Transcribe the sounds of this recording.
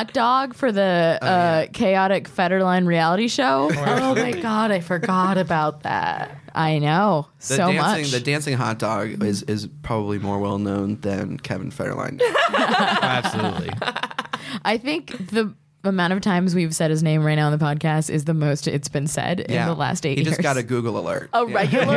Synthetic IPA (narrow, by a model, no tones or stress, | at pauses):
t̚d̥ɔɡ̥fə˞ðɨʌkʰeɪɑɾɨkfɛɾə˞lãɪ̃nɹiælˠəɾiʃoʊoʊmaɪɡɑɾaɪfə˞ɡɑɾɨbaʊt̪̚ðæ̰t̚ | ʔaɪnoʊ | sɨoʊæ̃mʌt͡ʃɪ̃t͡ʃŋðɨdæ̃nsɪ̃ŋɦɑ̰t̚d̥ɔɡɪzɪzpʰɹ̥ɑbəblimɔɹwɛ̰lˠnõʊ̃nðɨ̰̃nkʰɛṽn̩fɛ̰ɾə̰˞lã̰ɪ̃n | æb̥əl̰utˡli | ʔaɪθɪ̃ŋkði | əmãʊ̃ɾ̃tʌv̥tʰãɪ̃mzwiv̥sɛɾ̚ɨznẽɪ̃mɹaɪtnaʊə̃nðəpʰɑd̚kʰæstɨ̰zðɨmoʊstɪ̰tsb̥ɨ̃nsɛ̰ɾɪj̰̃nðəlæ̰steɪʔid͡ʒʌsɹsɡ̥ɑɾɨɡʉɡl̩ˠə̰lɜ̰˞t̚oɹɛɪj̩ˠə